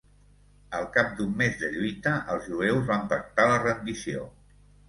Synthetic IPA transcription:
əlˠkap̚d̪umːezðəʎujt̪əʔəlˠzʒuewzβampək̚t̪alərənd̪isio̰

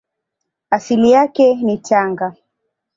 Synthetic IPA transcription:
asilijakɛnitaŋɡa

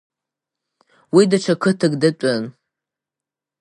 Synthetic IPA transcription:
widat͡ʃʷʰakʰɨtʰɨɡdɨt͡pʷʼan

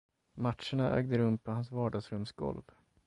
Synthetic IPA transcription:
matʂəɳaʔø̰ːɡd̪əɾɵmpʰɔhansvɑːɖɑːɡsɾɵmsɡɔ̰lv

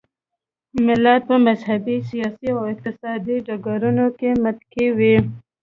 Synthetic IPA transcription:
mɪlat̪̚pəmazɦabisijɑːsiɔɪq̚t̪ɪsɑd̪id͡ʒaɡaɾunõkemat̪kʰiwi

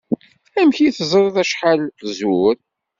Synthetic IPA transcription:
æmçiθzˤɾˤðˤæʃħalzuɾ

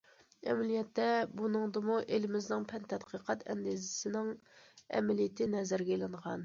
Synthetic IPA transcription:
ɛmɛlijɛt̪ːɛbunɨŋd̪ɨmuʔelɪmɪznɪŋpʰɛnt̪ʰɛt̪qʰəqʰɑt̪ʰɛ̰nd̪ezɪsɪnɪŋɛ̰mɛlijɪt̪ʰɪnɛzæɾɡʲɛelɪɴʁɑn

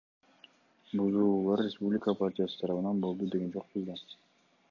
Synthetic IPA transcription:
buzuːlˠɑɾːʲespublʲɪkəpʰaɾtʲijasɯ̥t̪ʰɑɾɑβɯnɑnbo̞lˠd̪ud̪e̞ɡend͡ʒoq̚buzˠd̪ɑ

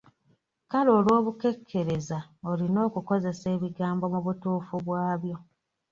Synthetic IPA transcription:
kalo̞ːlwo̞ːβuke̞kʰːe̞ɾe̞zaolino̞ːkuko̞ze̞se̞ːβiɡaːmbo̞muβutuːfuβwaːβjo̞

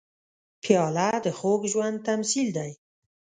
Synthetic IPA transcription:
pʰijɑːlad̪əχoɡʒwand̪̚t̪ʰamsild̪aj

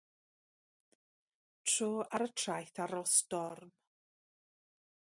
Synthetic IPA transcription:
tʰroːʔaɾətʰrajθaɾɔsdɔrm

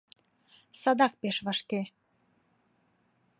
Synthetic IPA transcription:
sɑd̪ɑk̚peʃβɑʃke

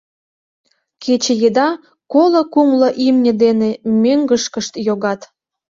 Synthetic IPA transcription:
kʰet͡ɕĕjed̪ɑ | kolŏkumlə̆ʔimnʲə̆d̪enemøŋɡəʃkəʃt̪joɣɑt̪

